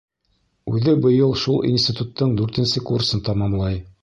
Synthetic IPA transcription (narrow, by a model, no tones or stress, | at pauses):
ʉðɘbɤ̆jɤlˠʃulˠḭnsʲt̪ʲit̪ut̪ːɤɴd̪ʉɾt̪ɘ̆nsɘkursɤnt̪ɑmɑmlˠɑj